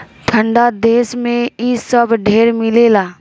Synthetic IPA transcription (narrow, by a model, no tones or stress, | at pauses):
t̪ʰə̃ɳɖad̪eːsmẽisəbɖʱeːɾmɪleːlaː